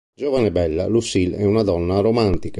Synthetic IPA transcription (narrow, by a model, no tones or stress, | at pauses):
d͡ʒɔvanɛbɛlːa̰lusilɛ̰unad̪ɔnːaɾɔmant̪ika